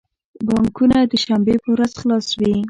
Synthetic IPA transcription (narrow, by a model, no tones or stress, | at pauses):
bɑŋkunad̪əʃambepəwɾazxlɑswi